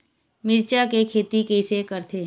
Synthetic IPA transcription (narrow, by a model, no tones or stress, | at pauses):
mɪɾt͡ʃakekʰeːt̪ikeɪsekəɾt̪eɦ